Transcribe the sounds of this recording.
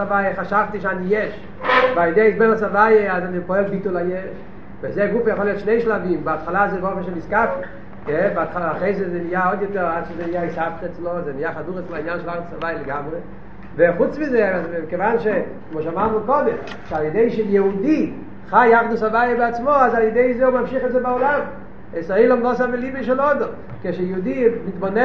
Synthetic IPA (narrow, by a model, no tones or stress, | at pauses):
avajəχaʃavtiʃanijɛʃ | valjedeiʃbɛnasavajeazanipɔɛlbitulajɛʃ | vezɛɡufjaχolˠjoɔtʃneɪʃlavimbɪatχalazɛɡofaʃemiskafti | jɛbɪatχlaχeɪzɛzɛnijaɔdjɔtɛʁadʃezɛnijaisaftɛt͡slozɛnijaχaduʁɛt͡sloainjanʃelaχdusavajəleɡamʁe | veχut͡smizɛazbkevanʃe | kmoʃamaʁnukɔdɛm | ʃealˠjedeɪʃejɛudi | χajaχdusavajabɪat͡smoazaljedeɪzeumamʃiχɛtzɛbaɔlam | ɛseɪlɔmlɔsabɪlibeʃ̬ɛlɔd̪ɔm | keʃejɛudimitbonɛ